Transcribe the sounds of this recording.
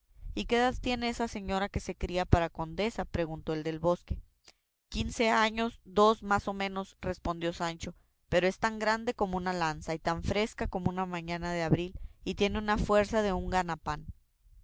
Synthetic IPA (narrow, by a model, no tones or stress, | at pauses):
ike̞ðaðt̪je̞ne̞esase̞ɲo̞ɾake̞se̞kɾiapaɾako̞nd̪e̞sapɾe̞ɣunt̪o̞eld̪e̞lβo̞ske̞ | kinse̞aɲo̞zd̪o̞smaso̞mẽ̞no̞sre̞spo̞nd̪jo̞sant͡ʃo̞ | pe̞ɾo̞e̞st̪aŋɡɾand̪e̞ko̞mo̞unalansait̪aɱfɾe̞skako̞mounamãɲãnaðe̞aβɾilit̪je̞ne̞unafwe̞ɾsaðe̞uŋɡanapan